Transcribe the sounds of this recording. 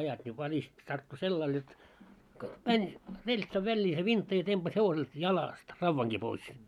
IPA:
ɑjɑt nʲi ʋælist tɑrtːu selːɑil jot mænʲ relʲtsɑʋ ʋælʲːiː se ʋintːɑ jɑ tempɑs heʋoselt jɑlɑˑst rɑʋːɑŋɡ̊i pois

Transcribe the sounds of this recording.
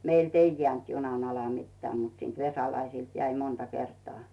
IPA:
meilt ei jĕæˑnt junɑn ɑlɑ mitːĕæˑ mut siːnt ʋesɑlɑisiˑlt jæi montɑ kertŏɑˑ

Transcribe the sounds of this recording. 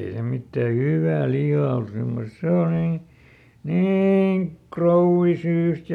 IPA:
ei se mitːæ hyʋːæː lihɑː ol semːostse o niː niːŋ krouʋːisyːst

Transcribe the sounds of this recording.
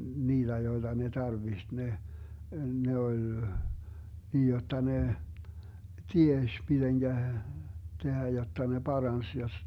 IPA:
niːd̥æ joid̥ɑ ne tɑrʋiht ne ne ol niːj jotːɑ ne tieʃ mid̥eŋɡ̊æ tehæ jotːɑ ne b̥ɑrɑns jos

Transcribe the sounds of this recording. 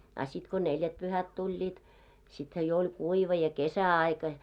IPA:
ɑ sit ko neljætpyhæt tulʲːiːt sithæ jo olʲ kuiʋɑ jɑ kesæɑikɑ

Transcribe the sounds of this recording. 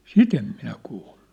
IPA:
sit em minæ kuːlːu̥

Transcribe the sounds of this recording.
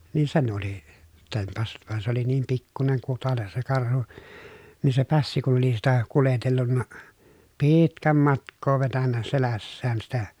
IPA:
niːn sen oli tempɑsːut ʋɑn se oli niːm pikːuneŋ kutɑles se kɑrhu niː se pæsːi kun̞ oli sitæ kuletelːunːɑ piːitkæm mɑtkˑoː ʋetænːæ selæsːæːn sitæ

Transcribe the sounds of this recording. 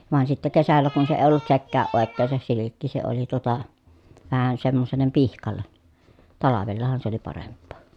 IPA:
ʋɑˑen sitːe kesælːæ kun se eˑi̯ olːut sekːæːʔ ʔoˑekːeːn̞ se silikːi se oli tuotɑ ʋæhæn semːoselːem pihkɑlːen tɑlɑʋelːɑhɑn se oli pɑrempːoː

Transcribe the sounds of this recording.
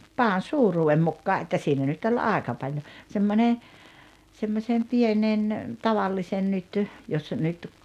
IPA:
pɑːn̞ suːruːem mukːɑː ʔetːæ ʔsiːnæ nyt olʲ ɑˑekɑ pɑlʲjo semːone semːosʲem pienen tɑʋɑlːisen nyt jos nyt

